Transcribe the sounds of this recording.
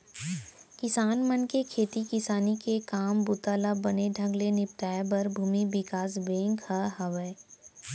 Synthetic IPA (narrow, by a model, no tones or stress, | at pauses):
kɪsaːnmənkekʰeːt̪ikɪsaːnikekaːmbʊt̪aːlabɐneɖʱɐ̃ŋɡlenɪp̚t̪aːebɐɾbʱuːmibɪkaːsbẽːŋkhəɦɐʋəː